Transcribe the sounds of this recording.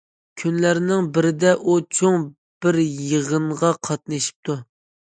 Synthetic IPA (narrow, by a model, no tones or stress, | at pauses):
kʲʰynlæɾnɪŋbɪɾɪd̪ɛʔut͡ʃʰoŋ | b̥ɪɾjəʁəɴʁɑqʰɑt̪̚nɨʃi̥p̚t̪ʰu